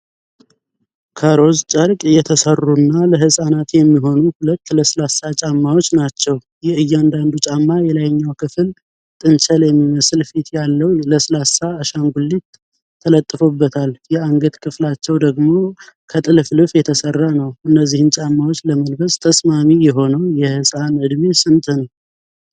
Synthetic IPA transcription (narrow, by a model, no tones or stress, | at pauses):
kʰəɾo̞zt͡ʃʼəɾkʼɨjːɛt̪ʰəsərːunːaləɦɨsʼanat̪jɛmːiɦo̞nuhulət̪ːləslasːat͡ʃʼamːawo̞t͡ʃːnat͡ʃːɛw | jɛɨjːand̪and̪ut͡ʃʼamːajɛlajɲːawkʰɨfɨl | t̪ʼɨnt͡ʃʰəljɛmːiməsɨlfit̪jalːəwləslasːaəʃaŋɡulːit̪ʰː | ələt̪ʼːɨfobːət̪ʰaljɛaŋɡət̪kʰɨflat͡ʃːɛwd̪əɡmo̞kʰət̪ʼɨlflɨfjɛt̪ʰəsərːanəwʔɨnːəzːihɨnt͡ʃʼamːawot͡ʃːləməlbəst̪ʰəsmamijɛɦo̞nəwjɛhɨsʼanɨd̪mesɨnt̪ʼʰɨn